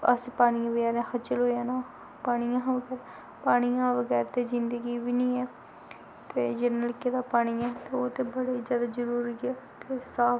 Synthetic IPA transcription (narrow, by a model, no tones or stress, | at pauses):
ə̰spaːɽ̃iːãʋəɡɛːɾẽːxət͡ʃəlɦoːaːnãː | paːɽ̃ijãːʋəɡɛːɾɛ | paːɽ̃ijãːʋəɡɛːɾt̪eːzɪnd̪əɡiːʋiːnĩːɛː | t̪eːd͡ʒɪnəlɪkeːd̪aːpaːɽ̃iːɛːt̪eːoːt̪eːbəɽeizjaːd̪aːzəɾuːɾiɡɛːt̪eːsaː